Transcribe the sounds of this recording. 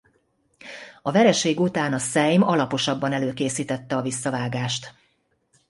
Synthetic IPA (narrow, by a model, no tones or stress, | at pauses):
ɒvɛɾɛʃeːɡut̪aːnɒsɛjmɒlɒpo̞ʃɒbːɒnɛløːkeːsiːt̪ɛt̪ːɛɒvisːɒvaːɡaːʃt̪